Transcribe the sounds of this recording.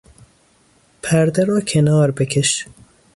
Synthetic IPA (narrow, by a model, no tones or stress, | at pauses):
pʰæɾd̪ɛɾɔːkʰenɑːɾbekʲʰeʃ